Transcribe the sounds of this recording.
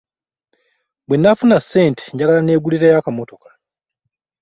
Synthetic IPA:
bwenːafunasːe̞ːnte̥ɲɟaɡalane̞ːɡuliɾejakamo̞to̞kḁ

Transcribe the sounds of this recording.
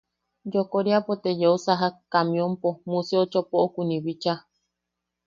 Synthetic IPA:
d͡ʒokoɾiapot̪ejousaɦakamĩompomuseot͡ʃopoʔokunĩβit͡ʃa

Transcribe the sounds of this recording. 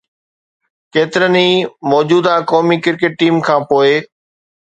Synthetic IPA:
keːt̪ɪɾəniːmɔːd͡ʑuːd̪akɔːmikɪɾkɪʈ̚ʈiːmkʰãːpoːe

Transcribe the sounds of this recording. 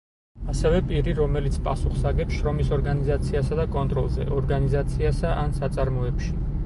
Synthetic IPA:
asɛvɛpʼiɾiɾɔmɛlit̪sʰpʼasuχsaɡɛpsʃɾɔmisɔɾɡanizat̪sʰiasad̪akʼɔnt̪ʼɾɔ̰lˠzɛ̰ʔɔɾɡanizat̪sʰiasaʔansat̪sʼaɾmɔɛpʃi

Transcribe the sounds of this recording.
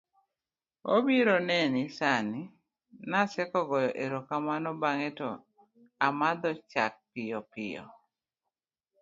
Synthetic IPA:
obiɾonɛnisani | nasɛkɔɡɔjɔʔeɾokamanɔbaŋetɔ | amad̪ɔt͡ʃa̰k̚pɪjɔpɪ̰jɔ̰

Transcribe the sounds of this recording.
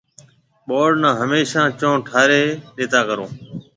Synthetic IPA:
ɓoːɖnãːɦəmeːʃãːt͡ʃõːʈʰaːɾeːɗeːt̪aːkəɾõː

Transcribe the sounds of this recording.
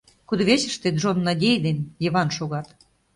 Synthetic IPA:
kud̪ə̆βeɕə̆ʃt̪et̪ʒonːɑdʲejd̪enjeβɑnʃoɣɑt̪

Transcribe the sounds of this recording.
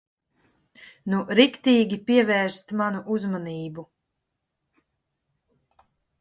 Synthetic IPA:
nuɾikt̪iːɡʲipiɛvɛːɾst̪manuʔuzmaniːbu

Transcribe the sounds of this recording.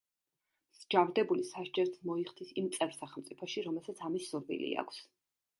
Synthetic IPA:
mzd͡ʒavɾd̪ɛbulisaʃd͡ʒɛɾt̪smɔiχd̪ʰisimt̪sʼɛvɾsaχɛlˠmt̪sʼipʰɔʃiɾɔmɛlˠsat̪sʰamisːuɾbḭlḭa̰kʷʰs

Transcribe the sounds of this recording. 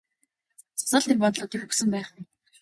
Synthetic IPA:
t͡sʊ̥sɔːɮimpɔt̪ɮʊːt̪iːkxuksɘ̆mpæːχmi

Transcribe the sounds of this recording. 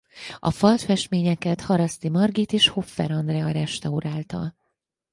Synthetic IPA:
ɒ̰fɒlt̪fɛʃt̪meːɲɛkɛt̪hɒɾɒst̪imɒrɡit̪eːʃho̞fːɛ̰ɾɒnd̪rɛɒɾɛʃt̪ɒuɾaːlt̪ɒ̰l

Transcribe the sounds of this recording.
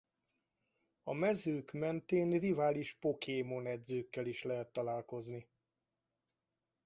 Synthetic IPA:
ɒmɛzøːkmɛnt̪eːnrivaːliʃpo̞kʰeːmonɛd̪zøːkːɛliʃlɛɦɛt̪ːɒlaːlko̞zni

